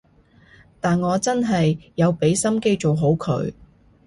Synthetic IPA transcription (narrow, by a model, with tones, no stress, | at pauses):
t̪aː˨nŋɔː˨˧t͡sɐ˥nɦɐ˨jːɐ˨˧wpe˨˥jsɐ˥mke˥jt͡ʃo˨wɦo˨˥wkʰɵ̰˨˧ɥ